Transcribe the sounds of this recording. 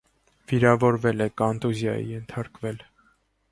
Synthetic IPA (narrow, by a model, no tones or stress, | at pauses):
v̥iɾɑvɔɾvɛlɛkɑnt̪uzjɑ̰jḭjɛnt̪ʰɑɾkvɛl